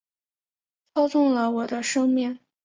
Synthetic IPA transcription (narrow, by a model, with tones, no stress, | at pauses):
t͡sʰɑ˥ʊt͡sʊ˥˩ŋlə˩wɔ˨˩d̪ə˦ʂɤ˥ŋmjɛ˥˩n